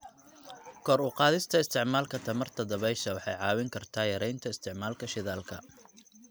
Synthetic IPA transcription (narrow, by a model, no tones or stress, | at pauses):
kʰɔːɾʊqɑːðɪst̪ʰɐɪst̪ʰɪʕmaːlkʰɐt̪ʰɐmɐrt̪ʰɐd̪ɐβɛjʃɐwɑħɑ̰jʕɑːwɪŋkʰɐrt̪ʰaːjɐɾɛjnt̪ʰɐɪst̪ʰɪʕmaːlkʰɐʃɪðaːlkʰɐ̰